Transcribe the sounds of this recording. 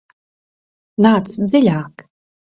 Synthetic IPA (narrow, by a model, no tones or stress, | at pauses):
naːt̪szilʲaːk